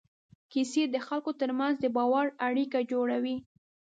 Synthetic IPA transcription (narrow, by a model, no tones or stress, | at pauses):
kised̪əxalkot̪əɾmanzd̪əbɑwaɾaɽikad͡ʒoɽawi